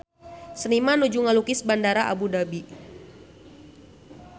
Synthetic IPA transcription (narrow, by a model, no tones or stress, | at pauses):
sənimanud͡ʒuŋalukɪsbandaɾaʔa̰budabi